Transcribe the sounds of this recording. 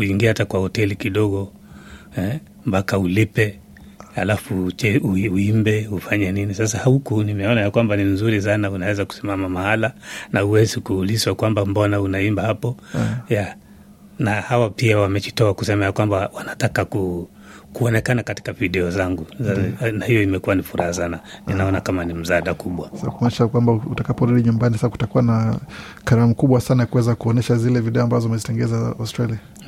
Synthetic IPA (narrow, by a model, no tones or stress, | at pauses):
kuiŋɡiaatakwahɔtɛlikiɗɔɠɔ | hɛ | mbakaulipɛ | halafut͡ʃɛuiuimbɛhufaɲɛninisasahukunimɛɔnajakwambanimzuɾis̬anaunawɛzaku̥simamamahalanahuwɛzikuhːliswakwambambɔnaunaimbahapɔja | nahawapiawamɛt͡ʃitɔaku̥sɛmajakwambawanatakaku | kuɔnɛkanakati̥kaviɗɛɔzaŋɡunahijɔimɛkuwanifuɾahasananinaɔnakamanim̩zaaɗakuɓwasakumɔnɛʃakwambautakapɔɾuɗiɲumbanisasaku̥takuwanakaɾamukuɓwasanajakuwɛzakuɔnɛʃazilɛviɗɛɔambazɔimɛzitɛŋɡɛzaastɾalia